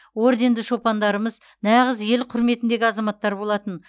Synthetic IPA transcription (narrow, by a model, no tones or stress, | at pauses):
o̞ɾd̪e̞nd̪ɪʃo̞pɑnd̪ɑɾəməz | nɑʁəzje̞lqʰʊɾme̞t̪ɪnd̪e̞ɡʲɪɑzɑmɑt̪ːɑɾbo̞lˠɑt̪ən